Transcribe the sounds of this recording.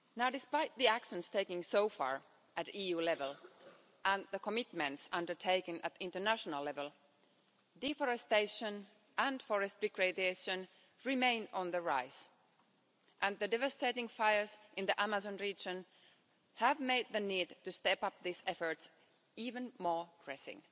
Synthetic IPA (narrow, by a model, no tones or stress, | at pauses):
naʊdɪspaɪt̪̚ðiækʃə̃nstʰeɪkɪ̃ŋsoʊfɑ̰ɹ | ʔɨtijʉːlɛvəlˠ | ʔə̃nðəkʰəmɪtmɨ̃ntsʌ̃ndə˞tʰeɪkɨ̃nʔɨ̰t̪ɪ̃ntə˞næʃənəlɛvəlˠ | difɔɹɛsteɪʃə̃n | ʔə̃nfɔɹɛstd̥ɪkɹedeɪʃə̃n | ɹɪmẽɪ̃nə̃nðəɹaɪs | ʔæ̃nðɨdɛvəst̪eɪɾɪ̃ŋfaɪə˞zʔɪ̃nðiʔæməzə̃nɹid͡ʒə̃n | hævmeɪd̪̚ðɨniːdtɨstɛpʌp̚ðiːsɛfə˞ts | iːvə̃nmɔɹpʰɹ̥ɛsɪ̰̃ŋ